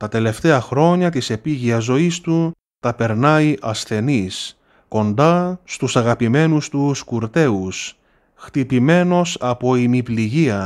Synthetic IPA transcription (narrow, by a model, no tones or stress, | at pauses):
t̪ɐt̪e̞le̞ft̪e̞ɐxɾo̞ɲɐt̪ise̞piʝiɐzo̞ist̪u | t̪ɐpe̞ɾnɐiʔɐsθe̞nis | ko̞nd̪ɐst̪usɐɣɐpime̞nust̪uskuɾt̪e̞us | xt̪ipime̞no̞sɐpo̞imipliʝiɐ